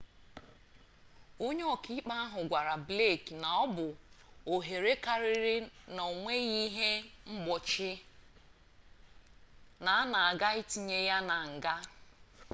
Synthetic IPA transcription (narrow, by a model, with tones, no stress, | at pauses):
o˦ɲe˦ɔ˨ki˦k͡pa˦a˦ɦʊ˨ɡʷa˨ɾa˨ble˦˨kna˨ɔ˦bʊ˨ | o˨ɦe˨ɾe˦ka˨ɾɪ˦ɾɪ˦no˨o˨ŋʷe˦ɣi˦ɦe˦ŋ͡m̩˦ɡ͡bɔ˨t͡ʃɪ˦ | na˨˦na˨a˨ɡa˦i˦ti˨ɲe˦ja˦na˨ŋ̩˨ɡa˦